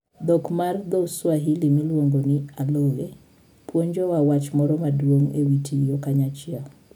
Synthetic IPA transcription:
d̪ɔkmard̪ɔswaɦilimilwoŋɡonɪalɔɣe | pwoɲd͡ʒɔwawat͡ʃmɔɾɔmadwoŋḛwitʰijokaɲat͡ʃɪa

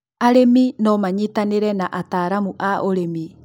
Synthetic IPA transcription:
aɾeminɔmaɲitaneɾɛnaʔataːɾamuʔaʔoɾemi

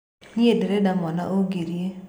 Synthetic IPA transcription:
ɲiedɾɛdamɔna̰ʔoɡiɾje

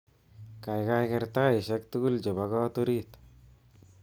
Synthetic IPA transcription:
kajkajkɛɾt̪aɪʃɛk̚t̪ukuld͡ʒɔbakɔt̪oɾit̪

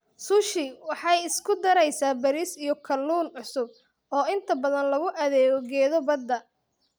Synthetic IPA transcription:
sʊʃɪwɑħɑjɪskʰʊd̪ɐɾɛjsaːbɐɾiːsijɔkʰɐlːuːnʕʊsʊb̚ | ɔːɪnt̪ʰɐbɐðɐnlɐɣʊʔɐðɛːɣɔɡɛːðɔbɐd̪ːɐ

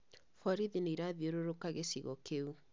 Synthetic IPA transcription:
fɔɾiðineiɾaðioɾoɾokaɣesiɣɔkʰeu

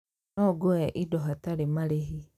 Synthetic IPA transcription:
ɔɡoɛʔidɔɦataɾemaɾeɦi

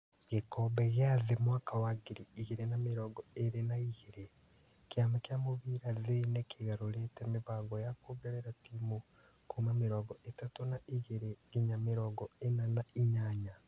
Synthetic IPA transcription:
ɣekobeɣazemwaːkawaɡiɾiːɣiɾenamiɾoɡoeɾenaiɣiɾe | kjaːmakjamuβiːɾazenekʰiɣaɾoletemiβaːɡojakuβeɾeɾatimu | kumamiɾoɡoʔetatunaʔiɣiɾeiɲamiɾoɡoenanaiɲaːɲa

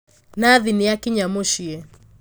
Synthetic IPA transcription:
naðinijakiɲamoʃiɛ

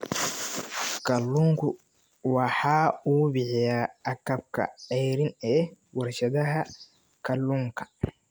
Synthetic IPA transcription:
kʰɐlːʊŋkʰʊ | wɑħɑːuːbɪħɪjaːɐkɐb̚kʰɐ̰ʕɛjɾɪnɛːwɐrʃɐðɐɦɐ | kʰɐlːuŋkʰɐ̥

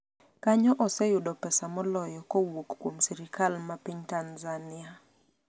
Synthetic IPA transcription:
kaɲɔʔɔsɛjʊdɔpɛsamɔlɔjɔkɔwokːwomsɛɾikalmapiɲtanzania

